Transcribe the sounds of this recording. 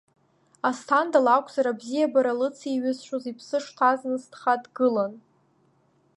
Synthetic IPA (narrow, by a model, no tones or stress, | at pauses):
astʰandalakʷʰʼz̥aɾabzijabaɾalɨt͡sʰiɥɪzʃʷᶣozipʰsɨʂtʰaznɨstʰχatɡɨlan